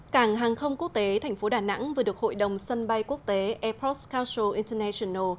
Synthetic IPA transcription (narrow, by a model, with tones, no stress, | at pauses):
kaː˧˩ŋɦaː˨˩ŋxə˧wŋ͡mku˦˥ək̚t̪e˨˦t̪ʰɛ˨˩jŋ̟fo˨˦ɗaː˨˩na̰˧˥ŋvɗɨ˨˩ək̚ho̰˧˨jɗə˨˩wŋ͡msə˧nɓa˧jku˦˥ək̚t̪e˨˦ʔɛ˧pʰɔ˦˥skaː˧wsə˧˩ʔi˧nt̪ə˧nɛ˧si˧nə˧˩